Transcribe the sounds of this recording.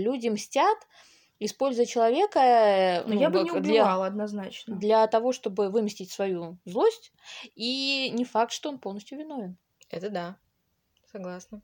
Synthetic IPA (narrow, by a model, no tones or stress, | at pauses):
lʲudʲɪmsʲtʲat̪ | ɪspo̞lʲzʊjət͡ɕɪlˠɐvʲekənujabnʲd̪lʲalˠəɐd̪nɐznat͡ɕnəd̪lʲɐt̪ɐvo̞ʂt̪o̞bɨvɨmʲɪsʲtʲɪtʲsvɐjuzlˠo̞sʲtʲ | inʲɪfak̚t̪ʂt̪oonpo̞lˠnəsʲtʲjʊvʲɪno̞vʲɪn | ɛt̪əd̪a | sɐɡlˠasnə